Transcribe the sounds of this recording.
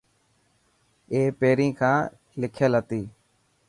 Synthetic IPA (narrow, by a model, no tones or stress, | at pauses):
eːpeːɾĩːkʰãː | lɪkʰjəlɦət̪iː